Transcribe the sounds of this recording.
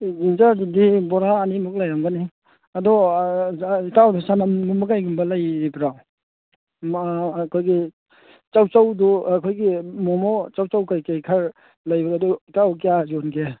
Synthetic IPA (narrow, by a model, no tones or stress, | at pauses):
zinzaɾdudibɔɾaːnimuk̚lajamɡani | adɔ | itawdɔsanamɡumbakajɡumbɐlajbɾaw | kʰojɡi | t͡ʃawt͡ʃawdɔakʰojɡimɔmɔt͡ʃawt͡ʃawkajkajkʰaɾ | lajbɾaadɔitawk̬ijazɔnɡe